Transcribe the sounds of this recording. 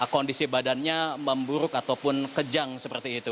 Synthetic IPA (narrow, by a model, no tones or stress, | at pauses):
kondisibadanɲaməmbuɾʊkat̪awpʊnkəd͡ʒaŋsəpərt̪iːt̪u